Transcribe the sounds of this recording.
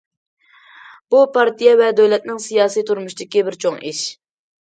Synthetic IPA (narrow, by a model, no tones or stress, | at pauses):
b̥upɑɾt̪ʰijɛvɛd̪øwlɛt̪̚nɪŋsijɑːsijt̪ʰuɾmuʃid̪ɪkʲibɪɾt͡ʃʰoŋiʃ